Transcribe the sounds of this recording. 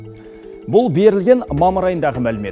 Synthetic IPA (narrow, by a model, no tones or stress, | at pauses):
bʊlˠbe̞ɾɪlɡʲe̞nmɑməɾɑjənd̪ɑʁəmælɪme̞